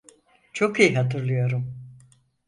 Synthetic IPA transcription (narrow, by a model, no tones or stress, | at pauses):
t͡ʃʰo̞kijiɦat̪ʰɯɾlˠɯjo̞ɾum